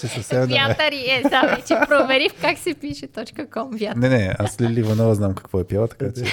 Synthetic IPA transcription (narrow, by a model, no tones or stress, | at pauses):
t͡ʃɛsɐfsɛmɛvjaɛt̪ɐɾiɛd̪aɛt͡ʃɛpɾovɛɾifkaksɛpiʃɛt̪ɔt͡ʃkəkɔmvʲjat̪nɛnɛaslilivɐnɔvəznamkɐ̥kvɔɛpjalˠət̪ɐ̥kat͡ʃɛ